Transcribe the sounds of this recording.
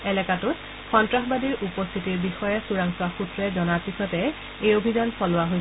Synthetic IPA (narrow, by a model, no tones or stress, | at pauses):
ɛlɛkatʊt | xɔntɹaxbadiɹʔupɔst̪ʰitiɹbixɔjɛsuɹaŋsaxutɹɛzɔnaɹpisɔtɛ | ejobʱizansɔlʊwaɦoj